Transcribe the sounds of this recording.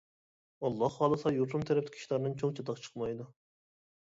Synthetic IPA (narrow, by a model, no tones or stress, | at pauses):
ɑlˠːɑhɑːlˠɨsɑjuɾt̪umt̪ʰɛɾɛp̚t̪kʲʰi̥ʃlˠɑɾnɨŋt͡ʃʰoŋt͡ʃʰɛt̪ɑqt͡ʃʰə̥qmɑjd̪u